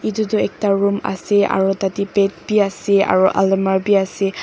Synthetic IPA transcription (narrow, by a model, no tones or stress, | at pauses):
itutʊɛk̚taɹuma̰sɛa̰ɹutatipɛt̚biasɛa̰ɹuʔa̰lmaɹbiasɛ